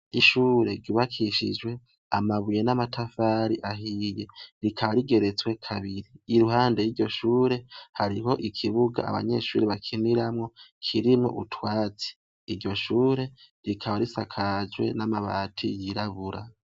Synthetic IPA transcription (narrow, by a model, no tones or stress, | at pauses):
iʃuːɾe̞ɾɟuβakʰiʃḭd͡ʒwe̞ | amaβujenamatʰafaɾiʔaɦiːje̞ɾikʰaβaɾiɡe̞ɾe̞t͡swe̞kʰaβiɾiːɾuɦaːndejiɾɟo̞ʃuːɾe̞haɾiɦo̞ʔikʰiβuɡa̰a̰βa̰ɲe̞ʃṵːɾeβakʰiniɾamŋo̞kʰiɾimŋo̞̰ʔutʰwaːt͡si̥ː | ɾɟo̞ʃuːɾe̞ | ɾikʰaβaɾisakʰad͡ʒwe̞̰namaβa̰ːtʰḭjiɾaβuɾa